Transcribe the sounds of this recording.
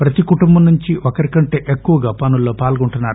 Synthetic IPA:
pɾɐt̪ikuʈumbɐmnːuɲt͡ʃiʔokɐɾikɐɳʈe̞ːʔekːuʋɐɡaːpɐnulːo̞ːpaːlɡuɳʈunːaːɾu

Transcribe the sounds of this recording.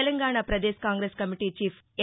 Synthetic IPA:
ɛlɐŋɡaːɳaːpɾɐd̪eːskaːŋɡɾeːskɐmiʈiːt͡ʃiːpʰ

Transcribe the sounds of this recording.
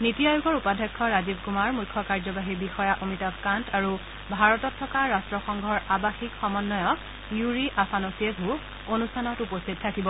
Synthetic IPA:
nitiajuɡʱɔɹupadʱɛkʰːɔɹazib̚kumaɹmujkʰːɔkaɹzɔbaɦiɹbixɔjaʔomitabkantaɹu | bʱaɹɔtɔtʰːɔkaɹastɹɔxɔŋɡʱɔɹabaxikxɔmɔnːɔjɔ | juɹiʔafʰanɔsiɛbʱu | onustʰanɔtupostit̚tʰakibɔ

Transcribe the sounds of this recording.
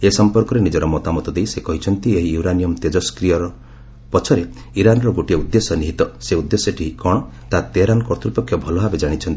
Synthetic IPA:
esɔmpɔɾkɔɾenid͡ʒɔɾɔmɔt̪amɔt̪ɔd̪ejsekɔɦit͡ʃʰɔnt̪ieɦiuɾanijɔmt̪ed͡ʒɔskɾijɔɾɔ | pɔt͡ʃʰɔɾe | iɾanɔɾɔɡoʈieud̪ːesɔniɦit̪ɔseud̪ːesɔʈʰiɦikɔɽ̃ɔ | t̪at̪eɾanɔkɔɾt̪ʰɾupɔkʰːjɔbʱɔlɔɦabed͡ʒaɽ̃it͡ʃʰɔnt̪i

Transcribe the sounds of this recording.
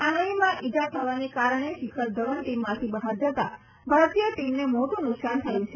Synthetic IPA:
anəimãʔid͡ʒat̪ʰəʋanekaɾəɳ̃eʃɪkʰəɾd͡ʒ̪əʋənʈimːãt̪ʰibəɦaɾd͡ʒət̪a | bʱəɭət̪ijəʈimnemoʈũnʊksant̪ʰəjũt͡ʃʰe

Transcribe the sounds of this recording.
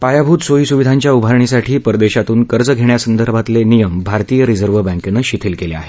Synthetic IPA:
pajabʱuːt̪sojiːsuʋid̪ʱaɲt͡ɕjaubʱaɾɳisaʈʰiːpəɾd̪eɕat̪uːnkəɾd͡zəɡʱeɳjasənd̪əɾbʱat̪lenijəmbʱaɾt̪ijəɾid͡zəɾʋəbæ̃ŋkenəɕit̪ʰiːlkelea̰ɦe

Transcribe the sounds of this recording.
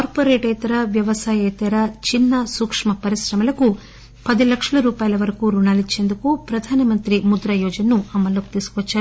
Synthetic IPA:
kaːɾpoːɾeːʈeːt̪ɐɾɐʋjɐʋɐsaːjeːt̪ɐɾɐt͡ʃinːɐsukʂmɐpɐɾisɾɐmɐlɐku | pɐd̪ilɐkʂɐɭɐɾuːpaːjɐlɐʋɐɾɐkuɾuɳaːlit͡ʃːe̞nd̪ukupɾɐd̪ʱaːnɐmɐnt̪ɾimud̪ɾɐjɔːd͡ʒɐnɐːuɐmːɐlːoku̥t̪iːsu̥kʋɐt͡ʃːaːɾi

